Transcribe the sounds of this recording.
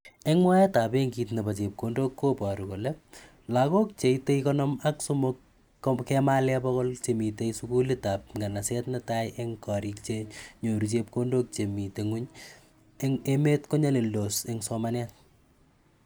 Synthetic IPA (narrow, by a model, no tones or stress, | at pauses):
eŋmwajetapeŋɡit̬nɐpat͡ʃep̚kondokːopɔɾukolep | lakok̚t͡ʃeitejkɔnɔmaksomok | kɛmalɛpɔkɔlt͡ʃemiteisukulitap̚ŋɡanasɛtnɐtajʔeŋkɔɾik̚t͡ʃeɲoɾut͡ʃep̚kondok̚t͡ʃemiteŋuɲ | ŋemetkoɲaleldoseŋsɔmanɛt̚